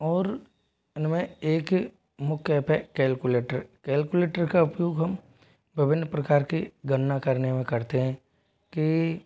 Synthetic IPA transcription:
ɔːɾ | nmɛ̃eːk | mʊkʰːɛpʰɛkɛːlkuleːʈəɾkɛːlkuleːʈəɾkaʊpjoːɡɦɐm | bɪʋɪnːpɾɐkaːɾkiɡənnakɐɾnemẽkɐɾt̪eɦɛ̃ː | ki

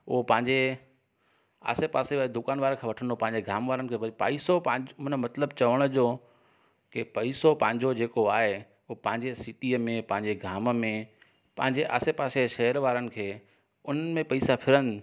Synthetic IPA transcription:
ʊɦpɐ̃ɦɪ̃ɲd͡ʑe | a̰ːsepaːsead̪ʊkaːnʋaːɾkʰeːʋɐʈʰə̃nd̪opɐ̃ɦɪ̃ɲd͡ʑeɡʱaːmʋaːɾənɪ̆kʰeːɐpaisopɐ̃d͡ʑmʊnmɐt̪ləbt͡ɕɐʋəɽ̃ʊd͡ʑoː | kɪpɐisopɐ̃ɦɪ̃ɲd͡ʑod͡ʑeːkoaːɦe | ʊpɐ̃ɦɪ̃ɲd͡ʑesɪʈiəmẽpɐ̃ɦɪ̃ɲd͡ʑeɡʱaːmmẽ | pɐ̃ɦɪ̃ɲd͡ʑeʔa̰ːsepaːseʃɐɦəɾʋaːɾənɪ̆kʰeː | ʊn̤əmẽpɐisapʰɪɾənɪ̆

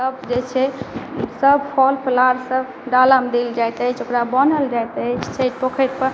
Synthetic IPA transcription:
səbd͡ʒet͡ʃʰɛsəbpʰɔlpʰəlaɾsəb | ɖaləmd̪eld͡ʒajt̪ət͡ʃʰokɾabənəld͡ʒajt̪ət͡ʃʰt͡ʃʰeʈ̚pokʰəʈ̚pəɾ

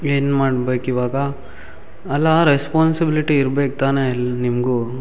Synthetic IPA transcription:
eːnmaːɽbeːkiʋaːɡɐ | ɐlːaɾespaːnsibiliʈiːɾbeːk̚t̪aːnelnimɡu

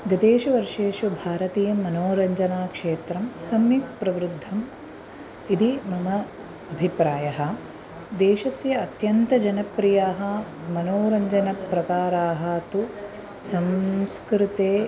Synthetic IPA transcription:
ɡɐd̪eːʃuʋɐɾʂeːʃubʱaːɾɐt̪iːjɐmːɐnoːɾɐɲd͡ʒɐnaːkʂeːt̪ɾɐmsɐmjik̚pɾɐʋɾud̪ʱːɐm | id̪imɐmɐ | ɐbʱipɾaːjɐɦɐ̆ | d̪eːʃɐsjɐːt̪jɐnt̪ɐd͡ʒɐnɐpɾijaːɦɐ̆ | mɐnoːɾɐɲd͡ʒɐnɐpɾɐkaːɾaːɦɐt̪u | sɐmskɾit̪eː

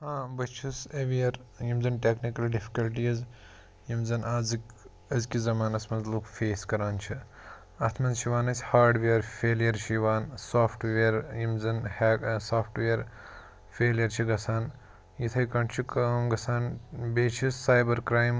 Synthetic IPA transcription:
hãːbɐt͡ʃʰiseʋijɐɾ | jimzɐnʈeːknikɐlɖifʰi̥kɐlʈiɐz | jimzɐnazɨk | ɐzkizɐmaːnɐsmɐnzlukfeːskɐɾaːnt͡ʃʰi | ɐt̪ʰmɐnzʃiʋaːnɐsʲhaːɾɖʋeːɾfeːlijɐɾʃiʋaːnsaːpʰʈʋeːɾjimzɐnhsaːpʰʈʋeɐɾ | fʰeːlijɐɾt͡ʃʰiɡɐsʰaːn | jit̪ʰɐjkɐɳt͡ʃʰikmɡɐsʰaːnbeːt͡ʃʰisːaːjbɐɾkɾaːjm

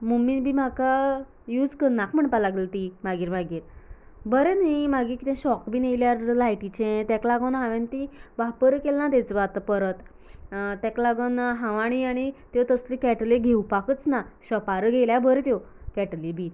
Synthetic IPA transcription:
muminbʱiːmaka | jud͡zkəɾnakm̤əɳpalaɡlelt̪imaɡiːɾmaɡiːɾ | bəɾẽnaiimaɡiːɾkit̪ɛ̃ɕɔkbʱiːneʋljaɾlajʈit͡ɕẽt̪ɛklaɡənɦãʋẽnt̪iʋapəɾkelnat̪ɛ̃t͡sʋat̪əpəɾət̪ | t̪ɛ̃klaɡənɦãʋaɽ̃iaɽ̃it̪ot̪əslikɛʈleɡʱeupakət͡snaɕəpaɾəɡʱeljabəɾɛ̃t̪jo | kɛʈlibʱi

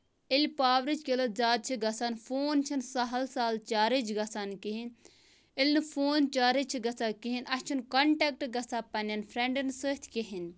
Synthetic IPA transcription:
ilʲpaːʋɾit͡ʃʰkelɐt̪̚zaːd̪̚t͡ʃʰiɡɐsaːnfoːnt͡ʃʰinsɐɦɐlsaːlt͡ʃaːɾit͡ʃʰɡɐsaːnkiɦin | ilʲnɨfʰoːnt͡ʃaːɾit͡ʃʰiɡɐsaːkiɦinʔɐst͡ʃʰunkɐɳʈek̚ʈɡɐsaːpɐnʲɐnfʰɾeɳɖɨnsəːt̪ʰkeɦin

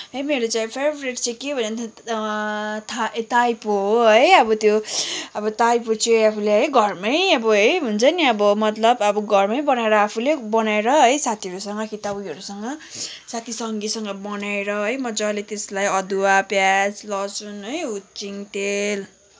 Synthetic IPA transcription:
ɦʌjmeɾot͡sajpʰebɾeʈt͡sʰikebʱʌnnt̪ʰʌ | t̪ʰat̪ajpoɦoɦʌjʌbʌt̪joʌbʌt̪ajpot͡sʰiapʰuleɦʌjɡʱʌrmʌjʌbʌɦʌjɦunt͡sʰʌniʌbʌmʌt̪lʌbʌbʌɡʱʌrmʌjbʌnaeɾʌapʰulebʌnaeɾʌɦʌjsat̪ʰiʌɾusʌŋɡʌkit̪abiʌɾusʌŋɡʌsat̪ʰisʌŋɡisʌŋɡʌbʌnaeɾʌɦʌjmʌd͡zʌlet̪eslajʌd̪uwapjad͡zlʌsunɦʌjut͡siŋʈ̪el

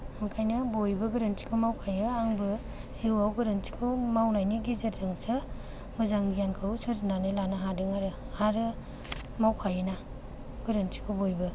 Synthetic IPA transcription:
mɯkʰajnɯbojbɯɡɯɾɯnti̥kʰɯwmawkʰajɯaŋbɯ | z̥iwawɡɯɾɯnti̥kʰɯwmawnajniɡizeɾdaŋsɯ | mɯzaŋɡijankʰɯwsɯɾzinanɯlanɯɦadɯŋaɾɯ | aɾɯ | mawkʰajɯna | ɡ̥ɯɾɯnti̥kʰɯwbojbɯ

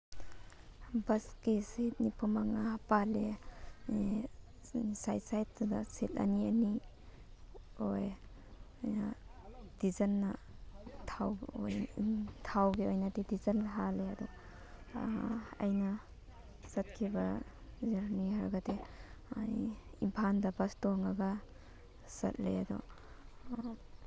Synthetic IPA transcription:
bɐskeset̚nipʰɔmaŋapale | sajt̚sajt̚tudaseta̰niani | oj | jnad̥izɐnːa | tʰaw̰jtʰawɡeojnadidizɐnɦaleadɔ | a̰jnɐ | sɐt̚kʰibazaɾniɦaɾɡateajimpʰandabastoŋaɡa | sɐ̰t̚lejadɔ̰

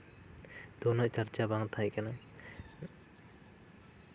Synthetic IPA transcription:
d̪̥ɔnɔʔt͡ʃəɾt͡ʃabaŋt̪ʰajkana

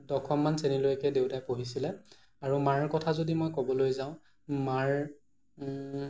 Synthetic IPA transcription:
dɔkʰɔmːansenilojkɛdeʊtajpoɦisilɛ | aɹumaɹkɔtʰazodimojkɔbɔlojzaʊ̃ | maɹ

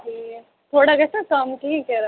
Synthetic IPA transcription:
ɦi | t̪ʰoːɽakɛːsakɐmʈʰiːkːɛɾa

